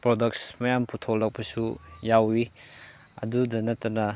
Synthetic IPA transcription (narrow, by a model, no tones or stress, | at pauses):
pɾodɐk̚smɐjampʰutʰolːɐk̚pɐsujawi | ɐ̰dudɐnɐtːɐnɐ